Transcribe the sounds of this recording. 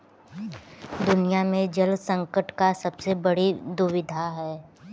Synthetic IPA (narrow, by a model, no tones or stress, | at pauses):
d̪ʊnijamẽd͡ʒɐlsə̃ŋkəʈkasɐbsebɐɽid̪ʊʋɪd̪ʱaɦɛː